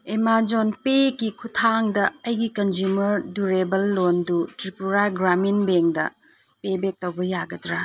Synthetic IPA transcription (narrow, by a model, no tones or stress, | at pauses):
emad͡ʒonpekikʰutʰaŋdɐɐjɡikɐnzumɐɾduɾebɐlːondutɾipuɾaɡɾaminbeŋdɐ̰ | pebek̚tɐwbɐjaɡɐdɾa